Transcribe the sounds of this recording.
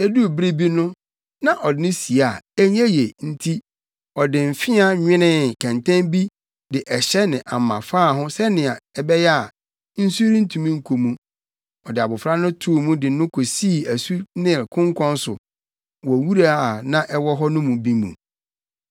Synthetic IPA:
e˦du˦˨bɾi˦bi˦nʊ̃˦ | nã˨ʔɔ˨dɪ˨˦nɪ̃˦si˨a˨ɛ˦ɲæ̃˦je˨n̩˦tʰi˦ | ɔ˨dɪ̃˨m̩˨fɪ̃˦a˨ɲᶣɪ̃˦nɪ̃˦kʰã˨ntʰã˦nbi˦ | dɪ˨ʔɛ˨ɕɛ˦nɪ̃˨ʔa̰˨mːã̰˨faː˦˨ɦʊ̃˦sɛ˦nɪ̃˨a˨ɛ˦bɛ˦jɛ˦a˨ | n̩˦su˦ɾĩ˦n̩˦tʰũ˨mĩ˦ŋ̩˦kʰo˨mũ˦ | ɔ˨dɪ˨a˨bʊ˨fɾa˦nʊ̃˦tʰu˦˨mũ˦dɪ˨nʊ̃˦kʰo˨si˦˨æ˨su˦nɪ̃˦˨kʰʊ̃˦ŋkʰʷɔ̃˦n˦sʊ˨ | wɔ˨wu˦ɾa˦˨nã˦ʔɛ˦wɔ˦ɦɔ˦nʊ̃˦mũ˨bi˦mṵ̃˨

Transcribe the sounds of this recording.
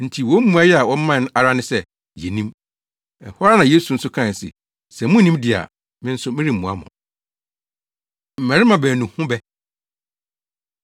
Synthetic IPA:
n̩˨tʰi˨wɔ˦m̩˦mũ˦a˦jɛ˦a˨wɔ˦m̩˦mã˦˨n˦a˨ɾa˦nɪ̃˦sɛ˦ | jɛ˨nĩ˦m | ɛ̰˨hɔ˦ɾa˦nã˨jeː˦su˨n̩˦sʊ˦kʰã˦˨sɪ̰˨ | sɛ˨mʊ̃˦nĩ˦mdɪ˨a̰˨ | mɪ̃˦n̩˦sʊ˦mɪ̃˦ɾi˦˨m̩ː˨ũ˨a̰˦mʊ̰̃˨ | m̩˨mæ˨ɾɪ˦mã˨bæː˨nũ˨hʊ̃˦bɛ˦

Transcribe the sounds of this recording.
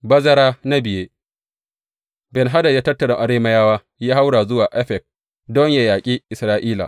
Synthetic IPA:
bɐ˦zɐ˦ɾaː˦na˦bɪ˨jeː˦ | bɛ˨nɦa˦dɐ˨jaː˦tɐ˦tːɐ˨ɽa˨ʔa˨ɽeː˦mɐ˦jaː˦waː˦ | jaː˦ha˦wɽaː˨zʊ˦waː˨ʔɛ˦ɸɛ˨k̚ | dɔ˦ɲja˨jaː˨kʲʼiː˦ʔɪ˨sɾaː˦ʔiː˦la̰ː˨

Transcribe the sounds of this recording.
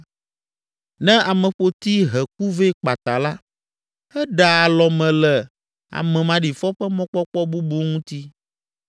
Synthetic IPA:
nɛ̃˦a˨mɛ̃˨ɸo˨t̪i˦ɦɛ˨k̚u˦ve˦k͡pa˨t̪a˨la˦ | ɛ˦ɖa˨a˨lɔ˨mɛ̃˨lɛ˨ | a̰˨mɛ̃˨mã˨ɖi˨fɔ˦ɸɛ˦mɔ̃˦k͡pɔ˦k͡pɔ˦bu˦bu˨˦ŋũ˦t̪i˦

